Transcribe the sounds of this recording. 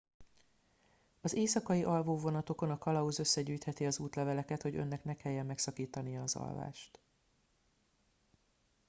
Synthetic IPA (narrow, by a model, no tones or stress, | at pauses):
ɒzeːsɒkɒjiʔɒlvoːvo̞nɒt̪o̞ko̞nɒkɒlɒuzø̞sːɛɟyːjt̪hɛt̪iɒzuːt̪lɛvɛlɛkɛt̪ho̞ɟønːɛknɛkɛjːɛmːɛksɒkiːt̪ɒnijɒːzɒ̰lva̰ːʃt̪